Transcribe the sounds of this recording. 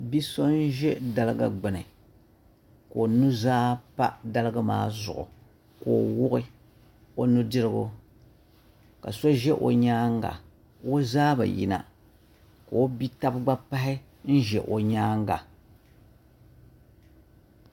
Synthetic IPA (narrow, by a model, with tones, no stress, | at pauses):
bi˦so˦n̩˦ʒɛ˦da˦lɨ˦ɡa̰˨ɡ͡bɨ˨nɨ˨ | ko˨nu˦zaː˦pa̰˦da˦lɨ˦ɡa˦ma̰ː˦zʊ̰˨ʔʊ̰˨ | ko˨wʊ˦ʔɪ˦ | o˦nu˦dɨ˦ɾɨ˦ɡo̰˦ | ka˨so˦ʒɛ˦ʔo̰˨ɲaː˦ŋ˦ɡa̰˨ | o˦zaː˦ba̰˨jḭ˦na̰˨ | ka˨o˦bi˦ta˦bɡ͡ba˦pa˦ɦɪ˦ | n̩˦ʒɛ̰˨ʔo˨ɲaː˦ŋ˦ɡa˨